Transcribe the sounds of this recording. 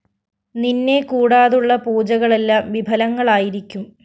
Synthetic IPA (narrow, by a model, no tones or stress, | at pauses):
ninːe̞kuːɽaːðuɭːɐpuːd͡ʑɐɣɐɭe̞lːaːmʋibʱɐlɐŋːɐɭaːjiɾikʲːum